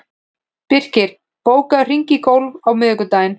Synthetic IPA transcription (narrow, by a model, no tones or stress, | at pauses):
pɪr̥cɪɾ̥ | poːwkaðr̥iɲcɪkowlvawmɪːðʏkʏt̪aːjɪn